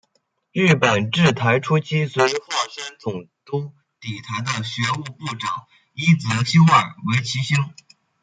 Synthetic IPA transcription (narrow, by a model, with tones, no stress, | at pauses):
ɻ̩˥˩pə˨˩nʈ͡ʂɻ̩˥˩t̪ʰa˧˥ɪʈ͡ʂʰu˥t͡ɕʰi˥swe˧˥˧xwɑ˥˩ʂa˥nt͡sʊ˨˩ŋt̪ʊ˥ŋ | t̪i˨˩t̪ʰa˧˥ɪd̪ə˧ɕɥɛ˧˥u˥˧pu˥˩ʈ͡ʂɑ˨˩˦ŋ | i˥t͡sɹ̩˧˥ɕi˥ŋə˞˨˩we˧˥ɪt͡ɕʰi˧˥ɕi˥ŋ